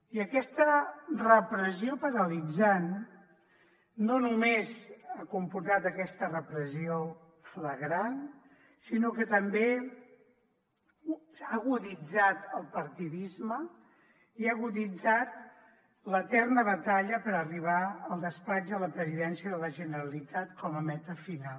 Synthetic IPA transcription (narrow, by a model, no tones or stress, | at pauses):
iəkɛst̪ərəpɾəziopəɾəlid͡zan | onumezakumpuɾt̪at̪əkɛst̪ərəpɾəzio | fləɣɾan | sinokət̪əmbe | aɣuðid͡zat̪əlˠpəɾt̪iðizmə | iaɣuðid͡zat̪̚ | lət̪ɛrnəβət̪aʎəpəɾəriβ̞aəlˠd̪əspad͡ʒðələpɾəziðɛnsiəðələʒənəɾəlit̪at̪kɔməmɛt̪əfinal